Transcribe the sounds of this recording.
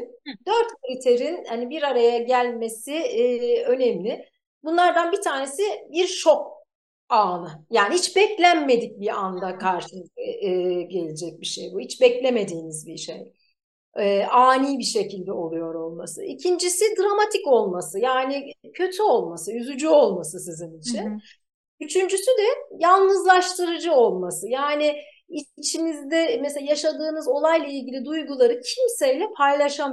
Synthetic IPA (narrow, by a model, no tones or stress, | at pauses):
d̪øɾt̪kʰalʲit̪ʰe̞ɾinhanibiɾaɾajaɟælʲme̞siː | ø̞nemlʲɪ | bunlˠaɾd̪anbit̪ʰaːne̞sibiɾʃo̞k̚ | aːnˠɯjaːnihit͡ʃbɛclʲænme̞d̪ic̚biand̪akʰaɾʃɯɛɟe̞lʲed͡ʒɛc̚biʃe̞̰jbuhit͡ʃbɛclʲe̞me̞d̪iːnizbiʃe̞̰j | ɛʔaːniːbiʃe̞cʰilʲd̪ɛo̞lˠujo̞ɾo̞lˠma̰sɯ̰ʔicʰind͡ʒisid̪ɾamat̪ʰico̞lˠmasɯjaːnɪcʰø̞t̪ʰyo̞lˠmasɯyzyd͡ʒyo̞lˠmasɯsizinit͡ʃʰin | yt͡ʃʰynd͡ʒysyd̪ɛjalˠnɯzlˠaʃt̪ʰɯɾɯd͡ʒɯo̞lˠmasɯjaːnɪ | iit͡ʃʰinizd̪ɛmɛseajaʃad̪ɯːnɯzo̞lˠajlˠailʲɟilʲid̪ujɡulˠaɾɯcʰimsejlʲɛpʰajlʲˠaʃam